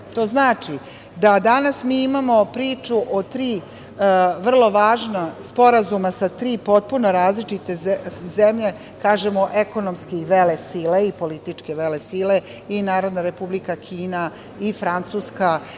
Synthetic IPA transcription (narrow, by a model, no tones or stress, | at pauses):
t̪o̞ːznaːt͡ʂi | d̪ad̪anasmiːimamo̞pɾiːt͡ʂuʔot̪ɾiː | ʋr̩lˠo̞ʋaːʒnaspo̞ɾazumasat̪ɾiːpo̞t̪̚punoɾaːzlit͡ʃit̪e̞zemʎe̞ | kaːʒemo̞ʔeko̞nomskiʋelesileipo̞lit̪it͡ʂkeʋelesile | inaːɾo̞d̪naɾe̞publikakʰiːna | ifɾant̪suːska